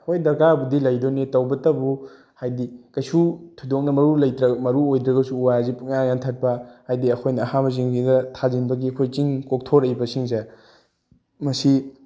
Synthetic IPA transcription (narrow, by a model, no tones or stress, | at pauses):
kʰojdɐɾkaɐbudilɐjdonitɐwbɐtɐbu | hajdikɐjsutʰudok̚nɐmɐɾulɐjdɾɐmɐɾuojdɾɐɡɐsuːwajzipukjaŋjantʰɐt̚pɐhajdiɐkʰojnɐːhamɐziŋziɡɐtʰazinbɐɡiɐkʰojt͡ʃiŋkok̚tʰoɾɐjbɐsiŋze | mɐsi